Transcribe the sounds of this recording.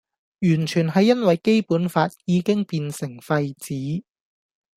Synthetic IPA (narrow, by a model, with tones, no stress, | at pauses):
jyː˨˩nt͡ʃʰyː˨˩nɦɐ˨˧jːɐ˥nwɐ˨jke˥jpuː˨˥nfaː˧t̚jiː˨˧kɪ˥ŋpiː˧nsɪ˨˩ŋfɐ˧jt͡siː˨˥